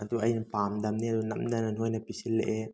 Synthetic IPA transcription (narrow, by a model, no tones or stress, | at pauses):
ʔɐd̪uʔɐjnɐpamdɐmniɐd̪unɐmdananɦojnɐpisilːeʔe